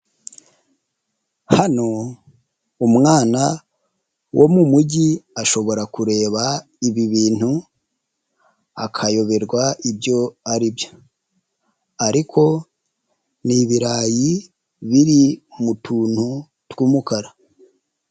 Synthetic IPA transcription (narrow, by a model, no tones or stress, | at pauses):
hano̞ | umŋaːna | wʔomumuɟiaʃo̞βo̞ɾakuɾe̞ːβa | iβiβiːn̥hu | akʰajo̞βe̞ɾɡwaibjo̞aɾibjo̞̥ | aɾikʰo̞ | niβiɾaːji | βiɾimutʰuːn̥hu | twuːmukaɾa